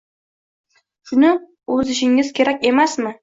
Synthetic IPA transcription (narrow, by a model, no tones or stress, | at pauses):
ʃʊnɪ | ɵzɪʃɪŋɪz̥kʲʰe̞ɾakʲe̞masmɪ